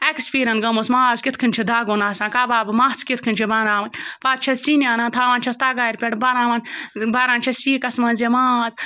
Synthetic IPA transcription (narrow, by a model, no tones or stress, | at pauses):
ekspiːɾɐnɡɐmosmaːzkit̪ʰkʰɨnʲt͡ʃʰid̪aːɡoːnaːsãːkaːbaːbɨmaːt͡skit̪̚ʰkʰɨnʲt͡ʃʰibaːnaːʋɐnʲpaːt̪̚t͡ʃʰɐst͡sinjaːnaːt̪ʰaːʋant͡ʃʰɐst̪aːɡaːjɾʲpʲeʈbaɾãːʋanbaːɾãːnt͡ʃʰɐsiːkɐsmɐnzemaːt͡s